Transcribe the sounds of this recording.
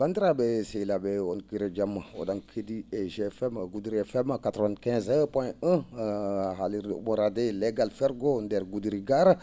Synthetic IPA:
bãndɾabɛsejlabɛɔnkiɾed͡ʒamao̰daŋkʰedieʒeɛfɛmɡudɾiɛfɛmkat̪ɾɔvãndkɛ̃zpwɔ̃jə̃ | ɦaliɾ̰boɾadeleɡalfɛɾɡondɛɾɡudɾiɡaɾ

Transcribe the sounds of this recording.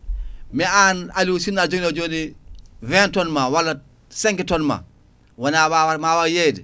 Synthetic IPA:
mianalusinad͡ʒonad͡ʒonivɛːntonmawalːa | seŋkitonma̰ | wanawawaɾmawajedi

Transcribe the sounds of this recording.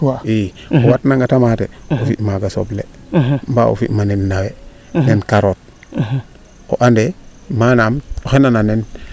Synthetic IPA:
i | owatnaŋɡatamatḛofḭʔmaɡaso̰ble | mba̰o̰fiʔmanenːawe | nenkaɾot̚ | oʔande | manamoxenananen

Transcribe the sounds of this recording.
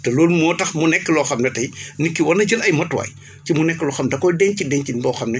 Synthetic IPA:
tɛloːlmɔːtɐxmunɛkːəlɔxɐmnɐtɐjnikːiwɐnɐɟəlɐjmɐtwa̰ːj | cimunɛkːəlɔxɐmdɐkɔjdɛɲcidɛɲcibɔːxɐmnɛ

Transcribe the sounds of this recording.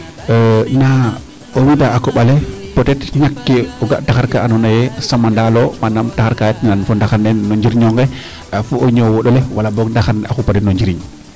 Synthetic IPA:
na | owidaːkɔɓalɛpɔtɛtɲakːeɔɡa̰ʔtaxaɾkaːnɔnajɛsamandalɔmandamtaxaɾkajatɲnanfɔndaxandɛnːɔɲd͡ʒiɾɲɔŋɡɛ | afuɔɲɔwɔɗɔlɛwalabɔɡndaxanɛaxupatɛnːɔɲd͡ʒiɾiɲ

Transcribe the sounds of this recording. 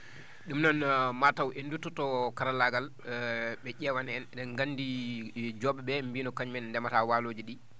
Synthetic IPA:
ɗumnanmatawʔendututɔkaɾalaɡal | ɓɛʄɛwanɛnɛɡanːdid͡ʒɔɓɛɓɛmbiːnɔkaɲmɛnndɛmatawaːloːd͡ʒiɗi

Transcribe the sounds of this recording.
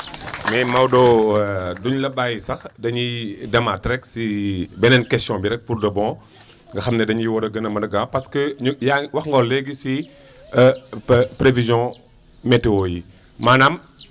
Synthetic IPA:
mɛmɐwdɔ | duɲlɐbaːjisɐxdɐɲidɐmatɾɛksibɛnɛnkɛstjɔ̃biɾɛk̚purdɐbɔ̃ː | ŋɡɐxɐmnɛdɐɲiwɔɾɐɡənɐmɐdɐɡapɐskəjawɐxŋɡɔlːɛɡisi | pɾevizjɔ̃ | metewoji | maːnam

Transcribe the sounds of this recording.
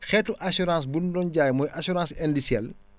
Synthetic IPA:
xɛːtːuʔasuɾãːs̬bundɔnɟaːjmɔjʔasuɾãːsɛndisjɛ̰l

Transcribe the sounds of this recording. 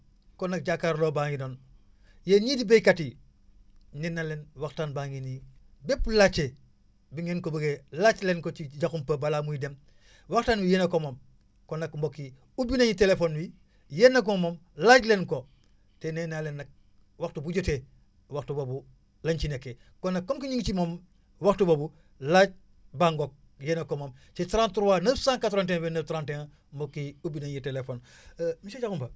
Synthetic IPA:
konak̚ɟakːaɾlobaːŋinon | jeɲidibejkati | nenːalenwaxtaːnbaŋinibepːlat͡ʃe | biŋenkobəɡelat͡ʃlenkot͡ʃiɟaxumpəbalaːmujidem | waktaːnwijenakomom | konakmbokːi | ubinaɲitelefoːnwi | jenːak̬omomlaɟlenko | tenenalenːak̚ | waxtubuɟote | waktubobu | lant͡ʃinekːe | konːakːomkiɲiŋɡt͡ʃimom | waktubobu | laɟ̚ | baŋɡok̚ | jenakomomt͡ʃitɾantuɾwanəfsaːŋkatoɾant̬ẽŋwenəftɾanteŋ | mbokːiubinaɲitelefonmiʃat͡ʃakumpa

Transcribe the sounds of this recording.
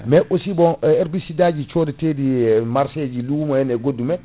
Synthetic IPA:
mɛʔosibɔɛɾbisidad͡ʒit͡ʃoːditedimaɾsed͡ʒiluwumɔjɛnɛɡodːumɛ

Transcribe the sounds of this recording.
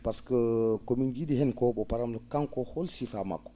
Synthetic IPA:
paskəkomind͡ʒidihɛnkɔbɔpaɾamləkãŋkɔhɔlsifama̰kːɔ̥

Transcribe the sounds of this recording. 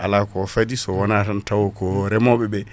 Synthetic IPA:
ʔalakɔfadisɔwɔnatantawɔkɔɾɛmɔbɛbɛ

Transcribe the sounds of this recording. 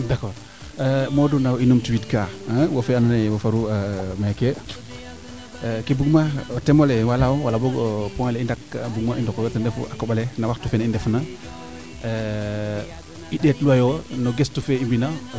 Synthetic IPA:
dakɔɾ | modunawinumtuwitkaawofeananewofaɾuamake | kebuɡmaotemolewalawalaboɡopɔŋeleindakbuɡmaindokojotəndefṵakobalenawaktufenaindefna | iɗetluajonoɡestufeimbina

